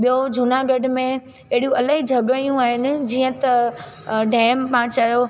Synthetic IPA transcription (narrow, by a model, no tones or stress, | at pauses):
ɓijod͡ʑʱʊnaɡeɖmẽ | ɐɦɪɽiũʔɐlaɦid͡ʑʱɐɡəjũaːɦɪnɪ̆d͡ʑiːə̃t̪ɐ | ɖɛːmpãːt͡ɕaːjo